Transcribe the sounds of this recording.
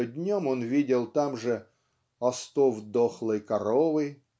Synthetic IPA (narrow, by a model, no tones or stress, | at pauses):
dʲnʲomonvʲidʲɪlˠt̪amʐɨ | ɐst̪ovd̪oxlˠəjkɐɾovɨ